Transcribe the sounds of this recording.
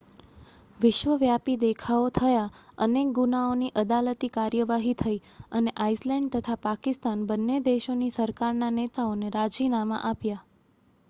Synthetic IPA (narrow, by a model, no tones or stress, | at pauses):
ʋɪʃʋəʋjapid̪ekʰaot̪ʰəjaənek̚ɡunaoniʔəd̪alət̪ikaɾjəʋaɦit̪ʰəiəneʔaislɛ̃ɳɖt̪ət̪ʰapakɪst̪anbənːed̪eʃonisəɾkaɾnanet̪aoneɾad͡ʒinamã̰ʔapja